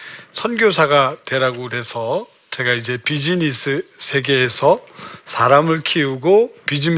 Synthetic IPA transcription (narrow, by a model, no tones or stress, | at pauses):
sʰʌnɡjosʰaɡatwe̞ɾaɡoɾe̞sʰʌ | t͡ɕe̞ɡaid͡ʑe̞pid͡ʑinisʰɯsʰe̞ɡe̞ːsʰʌsʰaɾamɯɭkʰiuɡopid͡ʑim